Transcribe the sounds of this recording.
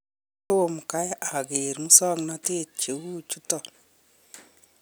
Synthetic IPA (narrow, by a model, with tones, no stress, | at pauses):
to˦˨mka˦ja˨ke˨ɾmu˦sɔ˦ŋnɔ˦te˦t̚t͡ʃe˨wuː˦t͡ʃu˦tɔ˨